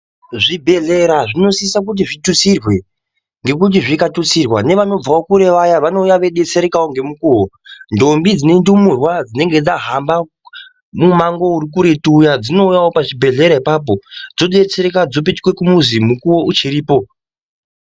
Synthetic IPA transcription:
ʐibʱe̞ɮe̞ɾaʐino̞siisak̬ut̬iʐitut͡sirwe̞ | ŋɡe̞kut̬iʐikatut͡sirwa̰ne̞ʋano̞b͡vawokuɾe̞ʋajaʋano̞ujaʋe̞ɗe̞t͡se̞ɾekawo̞ŋɡe̞mukuːwo̞ndo̞mbid͡zine̞ndumurwad͡zine̞ŋɡe̞d͡zaɦamba | mumaŋɡo̞uɾikuɾetuːjad͡zino̞ujawo̞paʐibʱe̞ɮe̞ɾaipap̬o̞d͡zo̞ɗe̞t͡seɾekad͡zopetkwe̞kumuzimukuwo̞ʔut͡ʃiɾiːpo̞

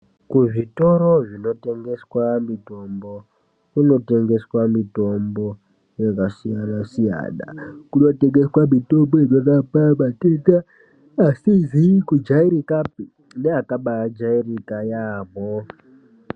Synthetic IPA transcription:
kuʐitoɾoʐino̞te̞ŋɡe̞swamito̞mbo | kuno̞te̞ŋɡe̞swamito̞mbo̞ | jekasijanasija̰na̰kuno̞te̞ŋɡe̞swamito̞mboerekapaɓatekaː | sizikud͡ʒaiɾikapi | neakaɓad͡ʒairikajaːβo

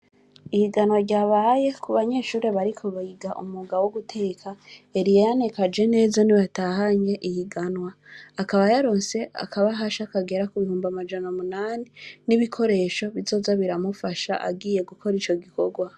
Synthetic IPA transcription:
ihiɡanwaɾɟaːβaje̞kʰuβaɲe̞ʃuːɾe̞βaɾikʰo̞βajiɡaʔṵmuɡawoɡutʰe̞ːkʰaeɾijejanekad͡ʒe̞ne̞ːzaniβataːhaɲe̞ʔihiɡanwaːkaβajaɾo̞ːnse̞a̰kʰaβaɦaʃakaɡe̞ɾakuβihuːmbamad͡ʒanamunaːniniβikʰo̞ɾe̞ːʃo̞βizo̞ːzaβiɾamufaʃa̰ʔa̰ɡiːje̞ɡukʰo̞ɾit͡ʃo̞ɡiko̞ɡwa

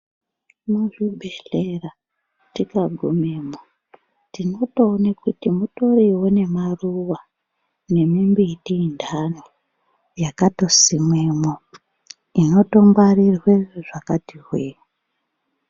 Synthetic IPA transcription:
muʐubʱeɬera | tikaɡʱumemo | tino̞toːnekutimuto̞riwone̞maruwa | ne̞mimbitiːndano | jakato̞simweːmo | ino̞tombarirwe̞ʐ̥akatiɦweːo

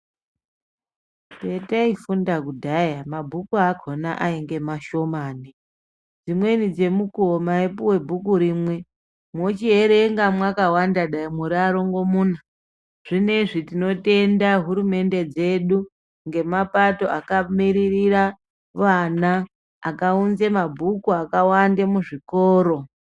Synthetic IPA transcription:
pe̞taifundakudʱajamabʱukuaɡʱo̞na̰ʔaiŋɡe̞maʃo̞maːni | d͡zimwe̞nid͡ze̞mukuomaepuwe̞bʱuk̬uɾiːmwe̞ | mwot͡ʃieɾe̞ŋɡamwakawandaɗaimuɾiaɾo̞ŋɡo̞muːna | ʐ̥ine̞ʐitino̞te̞ndaɦuɾume̞nde̞d͡ze̞ɗu | ŋɡe̞mapato̞ʔakamiɾirira | ʋanaː | kaunzemabʱukuakawandemuʐikoːɾo̞

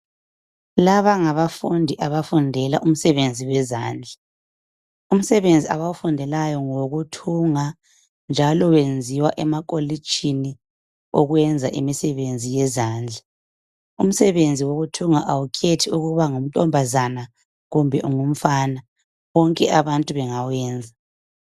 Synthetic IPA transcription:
laβaŋaβafundʱiʔaβafundʱɛlaʔum̩sɛβend͡zʱiwɛza̰ːnd͡ɮʱa | um̩sɛβend͡zʱiaβawufundʱɛlajɔŋoɣutʰuŋa | nd͡ʒʱalɔwend͡zʱiwaʔɛmakʼoli̥t͡ʃʰʼini | oɣwɛnd͡zʱaʔimisɛβend͡zʱijɛzaːnd͡ɮʱa | ṵm̩sɛβend͡zʱiwoɣutʰuŋaʔawukʰetʰiuɣuβaŋum̩tʼɔmbʱazana | ɣumbʱɛʔuŋum̩fana | βɔŋkʼɛʔaβantʼuβɛŋawɛːnd͡zʱa

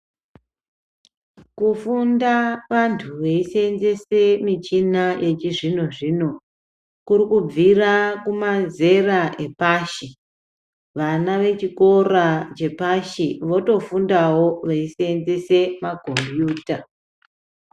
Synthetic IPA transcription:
kufundaʋantʰuʋeiseenze̞semit͡ʃinaje̞t͡ʃiʐinoʐino̞ | kuɾikub͡virakumaze̞raʔe̞paʃi | ʋanaʋe̞t͡ʃiko̞rat͡ʃe̞paʃiʋo̞to̞fundawo̞ʋeisenze̞se̞mako̞mbjuːta

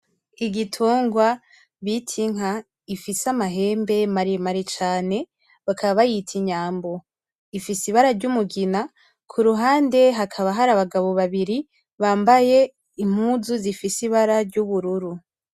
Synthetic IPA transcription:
iɡitʰuːŋɡwa | βitʰiŋɦa | ifisamaɦe̞ːmbe̞maɾimaɾit͡ʃaːne̞ | βakʰaβaβajitʰiɲaːmbo̞ | ifisiβaɾaɾɟumuɡina | kʰuɾuɦaːnde̞ɦakʰaβaɦaɾaβaɡaβo̞βaβiɾi | βaːmbaje̞ | im̥huzuzifisiβaɾaɾɟuβuɾuɾu

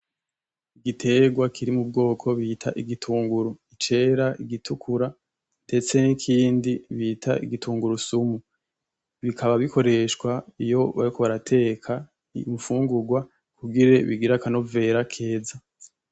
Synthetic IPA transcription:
iɡitʰe̞ɡwakʰiɾimub̚ɡo̞ːkʰo̞βiːtʰa̰ʔiɡitʰuːŋɡuɾuit͡ʃe̞ɾaiɡitʰukʰuɾa | nde̞t͡se̞nikʰiːndiβitʰaḭɡitʰuːŋɡuɾusumu | βikʰaβaβikʰo̞ɾe̞ʃkwaijo̞βaɾikʰoβaɾatʰe̞kʰa | mufuːŋɡuɡwa | kuɡiɾe̞βiɡiɾakano̞ve̞ɾakʰe̞ːza

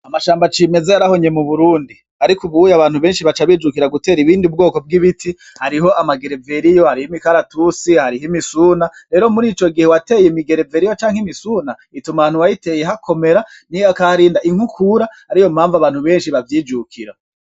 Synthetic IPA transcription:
amaʃaːmbat͡ʃime̞zeaɾaho̞ɲe̞muβuɾuːndi | aɾikuβujaβaːn̥huβe̞ːnʃiβat͡ʃaβiːd͡ʒukiɾaɡute̞ːɾiβiːndiub̚ɡo̞ːko̞b̚ɡiβitʰi | haɾiɦo̞ʔamaɡe̞ɾe̞ve̞ɾijo̞haɾihimikaɾatusihaɾiɦimisuːnaɾe̞ːɾo̞muɾiːt͡ʃo̞ɡihewate̞ːjemiɡe̞ɾeve̞ɾijo̞t͡ʃaːŋhimisuːna | itumaːnuwajite̞ːje̞ɦakʰo̞me̞ɾa | nijakaɾiːndaʔiŋ̥hukʰuɾahaɾijo̞m̥haːɱvaβaːn̥huβe̞ːnʃiβavjiːd͡ʒukʰiɾa

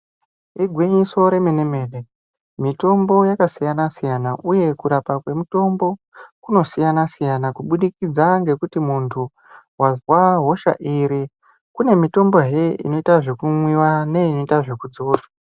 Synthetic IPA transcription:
iɡʱwiɲiso̞ɾe̞menemeːne | mito̞mbo̞jakasijanasijanaʔuje̞kuɾapakwe̞muto̞mbo̞ | kuno̞sijanasijanakuɓuɗikid͡zaŋɡe̞kutimuntʰu | wazwaɦo̞ʃa̰ʔiɾi | kune̞mito̞mbo̞ɦe̞ḭno̞itaʐe̞kumwiwane̞ino̞itaʐe̞kud͡zo̞ːtwa

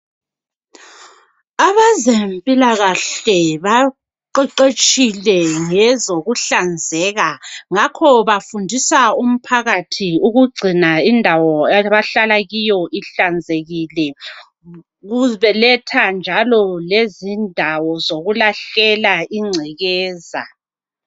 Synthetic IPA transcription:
aβazempʼilaɣaɬɛβa | ǃɛǃet͡ʃʼilɛŋɛzoɣuɬand͡zʱɛɣaŋakʰɔβafundʱisaum̩pʰaɣatʰiuɣuɡ͡ǀʱinaindʱawɔaβaɬalaɣijɔʔiɬand͡zʱeɣilɛ | ɣuβɛlɛtʰand͡ʒʱalɔlezindʱawɔzoɣulaɬɛlaiŋ͡ǀʱɛɣɛːza̰

